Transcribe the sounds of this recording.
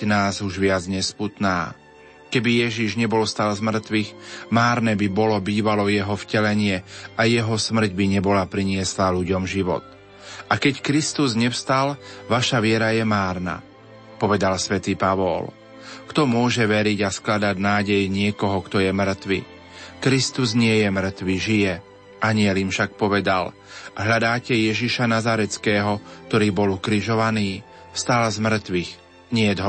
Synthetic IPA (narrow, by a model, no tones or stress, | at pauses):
naːzuʒʋɪad͡zɲɛsput̪naː | kɛbijɛʒiʒɲɛbɔlst̪aːlzmr̩t̪ʋixmaːɾnɛːbibɔlɔbiːʋalɔjɛɦɔfcɛlɛɲɪɛajɛɦɔsmr̩ɟbiɲɛbɔlapɾiɲɪɛslaluɟɔmʒiʋɔ̰t̪̚ | akɛckɾist̪uzɲɛfst̪alʋaʃaʋɪɛɾajɛmaːɾna̰ | pɔʋɛd̪alsʋɛt̪iːpaʋɔ̰l | kt̪ɔmʊɔʒɛʋɛɾiɟasklad̪aɟnaːɟɛjɲɪɛkɔɦɔkt̪ɔjɛmr̩t̪ʋḭ | kɾist̪uzɲɪɛjɛmr̩t̪ʋiʒijɛ | ʔaɲɪɛlimfʃak̚pɔʋɛd̪a̰l | ɦʎad̪aːcɛjɛʒiʃanazaɾɛt͡skɛːɦɔk̚t̪ɔɾiːbɔlukɾiʒɔʋaniː | fst̪alzmr̩t̪ʋix | ɲɪɛd̪ɦɔ